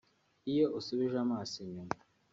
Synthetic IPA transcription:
ijoʔusuβiʒamaːsiɲuma

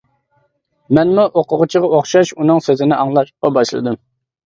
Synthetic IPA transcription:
mɛnmuʔoqʊʁʊt͡ʃʰiʁɑoχʃɑʃunɨŋsøzɪnɪʔɑŋlˠɑʃqɑbɑʃlˠɨ̰d̪ɨm

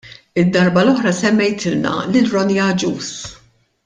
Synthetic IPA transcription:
ɪd̪ːɐɾbɐlɔħɾɐsɛmːɛjt̪ɪlnɐ̰lɪlɾɔnijɐd͡ʒuːs

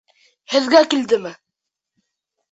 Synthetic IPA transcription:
hɘ̆ðɡækild̪ɘmɘ

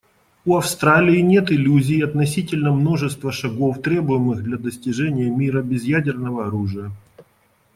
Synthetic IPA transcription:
uɐfst̪ɾalʲɪɪnʲe̞t̪ɪlʲuzʲɪːɐt̪nɐsʲitʲɪlʲnəmno̞ʐɨst̪vəʂɐɡo̞ft̪ɾʲe̞bʊjɪmɨɣd̪lʲɐd̪əsʲtʲɪʐɛnʲɪjəmʲiɾəbʲɪzjædʲɪrnəvəɐɾuʐɨjə

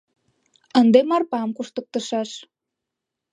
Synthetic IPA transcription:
ənd̪emɑrpɑmkuʃt̪ək̚t̪əʃɑʃ

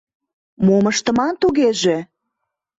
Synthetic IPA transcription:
moməʃt̪əmɑnt̪uɣeʒe

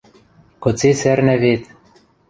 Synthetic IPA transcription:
kot͡sesɛɾnɛveːt̪

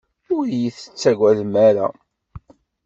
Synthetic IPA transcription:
ʊɾjiθə̥t͡sːæɡʷæðmæɾa̰

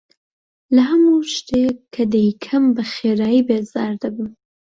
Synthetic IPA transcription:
lɐɦɐmuʃt̪ʰekʰːɐd̪ɐjkʰɐmbɐxeɾaːjibezɑːɾd̪ɐbɨ

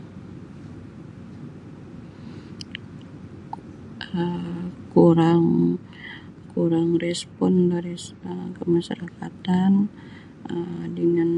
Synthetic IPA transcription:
əkuɾaŋ | kuɾaŋrɛspɔndaɾisəkəmaʃa̰ɾakat̪an | ədəŋan

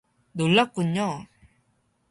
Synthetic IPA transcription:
d̪ulɔkːuɲːɔ

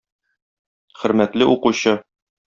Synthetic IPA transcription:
χɵ̆ɾmæt̪lɘʔuquɕɤ

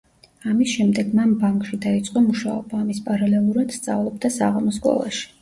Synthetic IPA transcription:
amisʃɛmd̪ɛɡmambaŋkʼʃid̪ait̪sʼqʼɔmuʃa̰ɔbaːmispʼaɾalɛlˠuɾad̪̥st̪sʼa̰vlˠɔb̚d̪asa̰ʁamɔsɡɔ̰lˠa̰ʃi̥

